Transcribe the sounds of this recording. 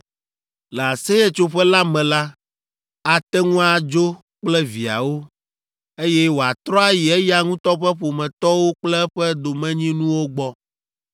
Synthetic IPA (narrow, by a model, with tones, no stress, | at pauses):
lɛ˨a˨sɛ˦ɛ˦t͡ʃo˦ɸɛ˦la˦mɛ̃˨la˦ | a˨t̪ɛ˦ŋũ˦a˨d͡ʒo˦ | k͡plɛ˦vi˨a̰˨wo˦ | e˦jɛ˦wo˨a˨t̪ɾɔ˦a˦ji˨ɛ˦ja˦ŋũ˦t̪ɔ˦ɸɛ˦ɸo˨mɛ̃˨t̪ɔ˦wo˦k͡plɛ˦ɸɛ˦d̪o˨mɛ̃˦ɲĩ˦nũ˦wo˦ɡ͡bɔ˦